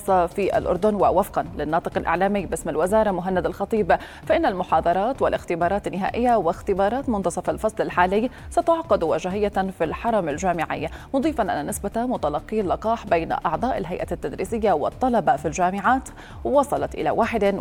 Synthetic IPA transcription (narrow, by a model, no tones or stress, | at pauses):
sˤːɑfiʔa̰lʔʊ̰ɾˤd̪ʊnwɪwafqɑnlɪnːɑːt̪ˤɨqɪlʔɪ̰ʕlaːmɪːbɪsmɪlwɪzɑːɾˤɑmʊɦanːad̪alxɑt̪ˤiːb | faʔɪnːalmʊħɑːd̪ˤɑɾˤɑːt̪wɪlʔɪxt̪ɪbɑːɾˤɑːt̪ɪnːɪɦa̰ːʔɪjːawɪxt̪ɪbɑːɾˤɑːt̪mʊnd̪ʊsˤɑfɪlfɑsˤlɪlħaːlɪjː | sat̪ʊʕqɑd̪waʒaɦɪjːafilħɑɾˤɑmalʒaːmɪʕɪ̰jːamʊd̪ˤiːfɑnʔa̰nːanɪsbat̪mʊt̪alɑqːiːlːɑqɑːħbejnʔɑ̰ʕd̪ˤɑːʔɪlɦajʔa̰at̪ːad̪ɾḭːsɪjːawɪt̪ˤːɑlɑbafilʒaːmɪʕaːt̪ | wwɑsˤɑlɑt̪ʔɪ̰la̰waːħɪd̪